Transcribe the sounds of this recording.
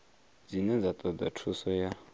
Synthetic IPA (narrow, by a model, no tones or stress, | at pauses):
d͡zinɛnd͡zat̪ʼɔd͡zatʰusɔja